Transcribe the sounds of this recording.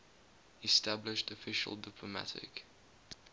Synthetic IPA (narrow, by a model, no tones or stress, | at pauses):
ɛstablɪʃtəfɪʃə̰lˠdɪpʰləma̰tʰɪ̰k